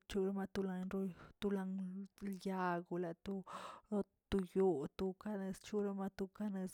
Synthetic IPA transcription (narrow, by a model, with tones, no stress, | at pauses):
t͡ʃu˦ɾa˧ma˧t̪u˧la˧ɲɾo˦t̪u˧la˧ŋlja˧ɡu˧˨la˨t̪u˧ɾo˧ | t̪u˧jo˧t̪u˧ka˧ne˧st͡ʃu˦ɾa˧ma˧t̪u˧ka˦˧ne˧s